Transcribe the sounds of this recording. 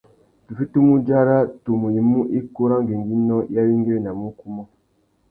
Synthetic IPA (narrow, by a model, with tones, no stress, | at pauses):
tu˨fi˦tu˦mu˦d͡ʒa˦ɾa˦to˨mu˨je˨mu˦ʔe˦ko˦ɾa˦ŋɡe˨ŋɡi˦nɔ˦ja˦wi˦ŋɡe˦ɾe˦˨na˨mu˦ku˦mɔ˦